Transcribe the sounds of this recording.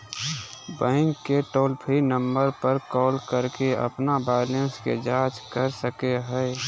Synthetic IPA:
bə̃ɪŋkːeʈoːlpʰinə̃mbəɾpəɾkɔːlkəɾkeə̰pnabaːlənskḛd͡ʒaːt͡ʃkəɾsəkeɦɛɪ

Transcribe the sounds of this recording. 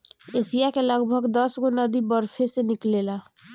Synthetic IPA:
esijakeləɡbʱəɡd̪əsɡonəd̪ibəɾpʰeseniklela

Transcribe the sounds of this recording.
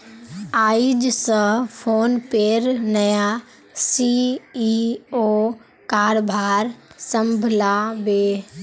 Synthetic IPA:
aːid͡ʒsə̃pʰoːnpeːɾnɐja | siioː | kaːɾbʱaːɾsɐ̃mbʱlabeː

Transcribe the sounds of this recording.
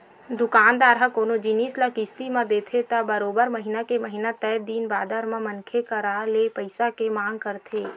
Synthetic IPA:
d̪ʊkaːnd̪aːɾakoːnod͡ʒiniːslakɪst̪imãd̪eːt̪ʰet̪abəɾoːbəɾmɐɦɪnakeməɦɪnat̪ɛːd̪iːnbaːd̪əɾmãmɐnkʰekɐɾaːlepəɪsakemãːŋɡkəɾt̪ʰeː

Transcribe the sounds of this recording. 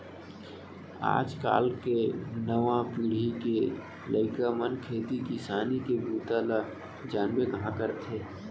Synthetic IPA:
a̰ːd͡ʒka̰ːlkenəʋãpiːɽ̤ike | ləɪkamənkʰeːt̪ikisaːnikebuːt̪ala | d͡ʒaːnbekɐɦãkəɾt̪ʰeː

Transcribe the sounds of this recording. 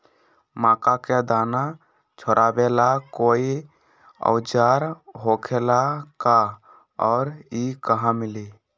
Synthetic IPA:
mãːkaked̪aːna | t͡ʃʰoɾʔabelakoːi | ɔ̰ʊd͡ʒaɾɦokʰelaka | ɔːɾikəɦãmɪli

